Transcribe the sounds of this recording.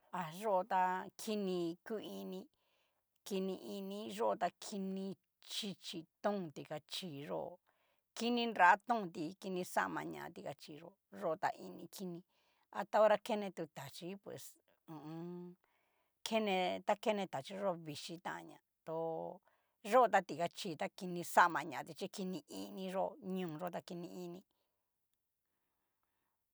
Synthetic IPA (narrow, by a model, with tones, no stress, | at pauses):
a˧ʐo˦ʔo˧t̪a˧kʰi˦nĩ˧ku˦i˧nĩ˧ | ki˧nĩ˧ʔi˧nĩ˧ʒo˦ʔo˧t̪a˧kʰi˧nĩ˧ | t͡ʃi˧t͡ʃi˧t̪ũ˦˧t̪i˧ka˧t͡ʃi˨ʐo̰˦ʔo̰˧ | ki˦nĩ˧na˧˦a˦t̪ũ˦˧t̪̬i˧ki˧nĩ˧sa̰˦˧mã̰˧ɲã̰˧ʔã̰˧t̪i˧ka˧t͡ʃi˧˨ʐo̰˦˧ʐo˦o˧t̪a̰˧ʔi˧nĩ˧kʰi˧nĩ˧ | a˧t̪a˦o˦˧ɾa˧ke˦nẽ˧t̪u˧t̪a˨t͡ʃi˦pwḛ˨s | ũ˨˧ | kʰe˦nẽ˧t̪a˦ke˦nẽ˧t̪a˨t͡ʃi˦ʐo˦˧βi˧ʃi˧t̪ã̰˦ʔɲã̰˧t̪o˧ | ʐo˦˧t̪a˧t̪i˧˨ka˧t͡ʃiː˧˨t̪a˦ki˧nĩ˧sa˦ʔmã˧ɲã˨˧t̪i˧t͡ʃi˦ki˧nĩ˧ʔi˧nĩ˧ʐo˦ʔɲũː˧˨˧ʐo˦˨˧t̪a˧ki˧nĩ˧i˧nĩ˧